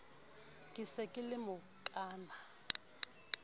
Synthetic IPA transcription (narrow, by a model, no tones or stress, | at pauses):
kʼɪsɛkʼɪlɪmʊ | kʼaːna